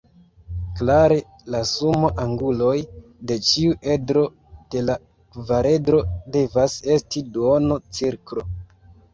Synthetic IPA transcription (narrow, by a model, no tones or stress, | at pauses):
klaɾe̞ | lasumoʔaŋɡulo̞j | de̞t͡ʃiuʔe̞dɾo̞ | d̥e̞la | kvaɾe̞dɾo̞de̞vase̞stiduono̞t͡siɾkɾo̞